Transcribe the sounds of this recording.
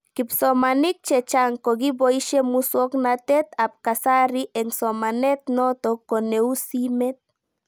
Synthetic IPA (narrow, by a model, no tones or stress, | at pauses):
kipsomanik̚t͡ʃet͡ʃaŋkoɡiboiʃemuswoknat̪et̪ap̚kasaɾiʔeŋsomanet̪not̪okoneusimet̪̚